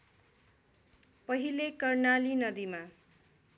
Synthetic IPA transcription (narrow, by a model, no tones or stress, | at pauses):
pʌɦilekʌrnalinʌd̪ima